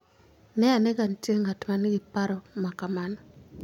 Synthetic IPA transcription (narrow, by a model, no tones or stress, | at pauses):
nɛaneɡantjeŋatmanɡɪpaɾɔmakamanɔ